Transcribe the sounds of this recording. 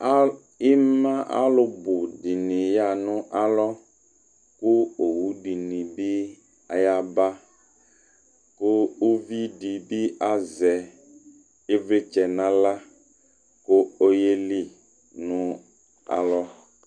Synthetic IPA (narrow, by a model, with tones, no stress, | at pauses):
ɪ˦mã˦ʔa̰˦lʊ˦bʊ˨di˨nĩ˨ja˦˨nʊ̃˦ʔa˦lɔ˦ | kʊ˦o˨wu˦ɖi˨nĩ˨bi˦ | a˨ja˦ba˦ | kʊ˦o˦vi˦di˨bi˦a˦zɛ˨ | ɪ˦vɾɪ˦t͡ʃɛ˨nã˦la˦ | kʊ˦o˦je˦li˦ | nʊ̃˦ | a̰˨lɔ˦